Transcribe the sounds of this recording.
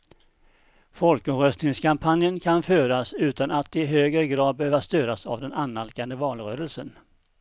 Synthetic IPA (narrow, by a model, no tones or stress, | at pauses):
fɔlkɔmɾœst̪nɪŋskʰampʰanjənkʰanføːɾasʉ̟ːt̪anat̪ɪɦøːɡɾəɡɾɑːd̪̚bɛhøːvast̪øːɾasa̰vd̪ɛnanːalkand̪əvɑːlɾøːɾəlsən